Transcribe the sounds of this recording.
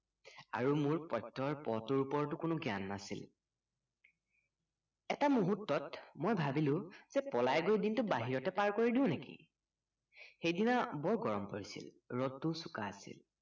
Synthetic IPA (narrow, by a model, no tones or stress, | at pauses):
a̰ɹumʊɹpɔjtːɔɹpɔtʊɹupɔɹtʊkʊnʊɡja̰nːasḭl | ɛtamoɦutːɔtmojbʱabilʊ̃z̥ɛpɔlajɡojdintʊbaɦiɹɔtɛpaɹkoɹidiʊ̃nekḭ | xejdinabɔɹɡɔɹɔmpoɹisḭl | ɹɔtːusuka̰asḭl